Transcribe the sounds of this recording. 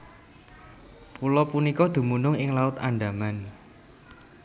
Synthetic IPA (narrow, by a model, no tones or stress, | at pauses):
pulɔpunikɔd̪̥ṳmunʊŋɪŋlaʊt̪aɳɖa̤man